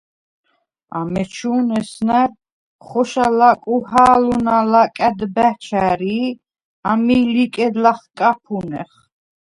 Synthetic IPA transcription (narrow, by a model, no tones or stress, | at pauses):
a̰mɛt͡ʃʰuːnɛsnaɾ | χɔʃalakʼuhaːlunalakʼæd̪bæt͡ʃʰaɾi | amilikʼɛd̪laχkʼapʰunɛ̰χ